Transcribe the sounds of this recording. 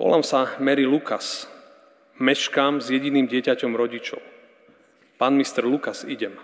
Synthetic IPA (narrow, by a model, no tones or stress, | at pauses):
ʋɔ̰la̰msamɛɾilukas | mɛʃkaːmzjɛɟiniːmɟɪɛcacɔmɾɔɟit͡ʃɔ̰ʊ | paːnmist̪ɛɾlukasiɟɛm